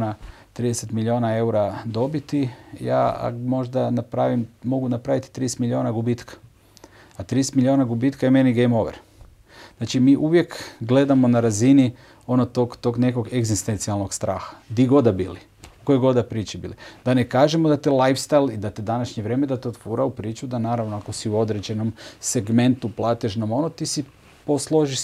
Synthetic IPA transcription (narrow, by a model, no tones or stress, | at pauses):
na | t̪ɾiːd̪eset̪milʲionae̞uɾad̪o̞bit̪ija̰ːa̰mo̞ʒd̪anapɾaʋimmo̞ɡunapɾaʋit̪i̥t̪ɾist̪miʎʲio̞ːnaɡubit̪kḁ | at̪ɾist̪milʎʲio̞naɡubit̪kajeme̞niɡejmo̞ʋḛɾ | znat͡ʃimiːʔuʋje̞kɡle̞d̪amo̞naɾazini | o̞not̪oɡt̪o̞ɡne̞ko̞ɡeɡzist̪ent̪sialˠno̞ɡst̪ɾaːxḁd̪iɡo̞d̪abiːli | ukojeɡo̞d̪apɾiːt͡ʃibḭːlid̪̥ane̞kaːʒemod̪at̪ilˠajfst̪ajlid̪at̪id̪anaʃɲeʋɾe̞ːmed̪at̪iot̪puɾaupɾiːt͡ʃud̪anaːɾaʋnoako̞siuo̞d̪ɾed͡ʑe̞no̞mse̞ɡme̞nt̪uplˠat̪eʒnomo̞not̪isi | poslˠo̞ʒi